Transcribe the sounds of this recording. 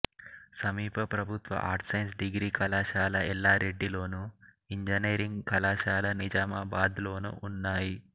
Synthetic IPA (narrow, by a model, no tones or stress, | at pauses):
sɐmiːpɐpɾɐbʱut̪ʋɐ̰ʔaːɾʈsɐjnsɖiɡɾiːkɐlaːʃaːlɐʔɛlːaːɾe̞ɖːilo̞ːnu | iɲd͡ʒɐneːɾiŋɡkɐlaːʃaːlɐnid͡ʒaːmaːbaːd̪lo̞ːnṵʔːnːaːji